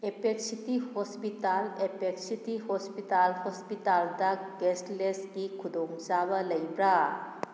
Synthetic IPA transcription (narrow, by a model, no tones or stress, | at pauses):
epek̚sitihɔspitalepek̚sitihɔspitalhɔspitaldaɡestlesɡikʰudɔŋt͡ʃabɐləjbɾa